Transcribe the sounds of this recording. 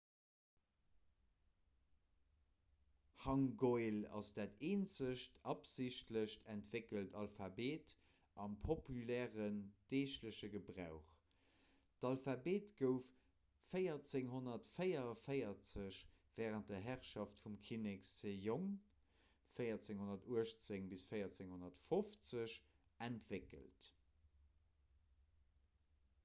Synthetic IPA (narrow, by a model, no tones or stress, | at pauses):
hɑŋɡoɪlɑ̰sd̥aːteːnzəɕtʰɑpzɪɕtləɕtʰæntvekəltʰɑlfɑbeːt | ʔɑmpʰopylɛːʁənd̥eːʃtləɕəɡəbʁaʊχ | tɑlfɑbeːtɡ̥əʊfː | əjɐt͡seŋɦonɐtfəɪjɐfəɪɐt͡səɕ | v̥ɛːʁənt̚dɐɦæʁʃɑftfumkʰineksejoŋ | fəɪɐt͡seŋhonɐtuəʃt͡seŋbisfəɪjɐt͡seŋhonɐtfoft͡səɕ | æntvekə̰lt